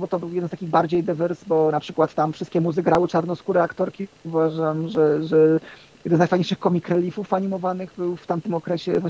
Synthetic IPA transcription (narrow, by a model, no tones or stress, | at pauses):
bɔt̪ɔbɘwjɛd̪nst̪akʲiɣbaɾd͡ʑejd̪ɘvɛɾsbɔnapʂɘkwat̪t̪amfʂɘst̪̚kʲɛmuzɘɡɾawɘt͡ʂaɾnɔskuɾɛakt̪ɔɾkʲiuvaʐamʐɛʐɛ | jjɛd̪ɛnzajfajɲejʂɘxkɔmʲikɾɛlʲifufaɲimɔvanɘɣbɘwft̪amt̪ɘmɔkɾɛɕɛva